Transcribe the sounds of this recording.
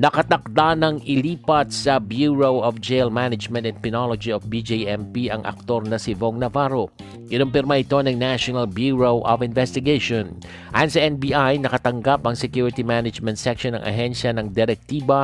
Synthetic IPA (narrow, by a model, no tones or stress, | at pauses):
nɐkɐt̪ɐk̚d̪anɐŋɪliːpɐt̪̚sɐbjuɹowʔofd͡ʒelmanɐd͡ʒmɛnt̪ɛn̚pɪnolod͡ʒiofbid͡ʒejʔɛmpiʔɐŋʔɐ̰k̚t̪o̞ɾnɐsɪvoŋnɐvaɾo | ɡɪnoŋpɪɾmaʔɪt̪o̞nɐŋnaʃonɐlbjuɹowʔovɪnvɛst̪ɪɡeʃon | ʔa̰jnsɐʔɛnbiʔajnɐkɐt̪ɐŋɡapɐŋsɛkjuɾɪt̪imanɐd͡ʒmɛ̃nt̪sɛkʃonɐ̰ŋʔɐ̰ɦɛnʃɐnɐŋd̪ɛɾɛk̚t̪iːbɐ